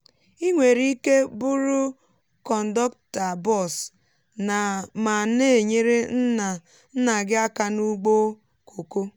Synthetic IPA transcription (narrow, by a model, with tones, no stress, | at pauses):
i˦ŋʷe˨ɾi˦ke˦bʊ˦ɾʊ˦ | kɔ˨n̩˨dɔ˦k̚ta˨bɔ˦˨s | na˨ma˨ne˦e˨ɲe˦ɾe˦n̩˦na˨ | n̩˦na˨ɡɪ˦a˦ka˨nu˦ɡ͡bo˦ | kʰo˨ko˦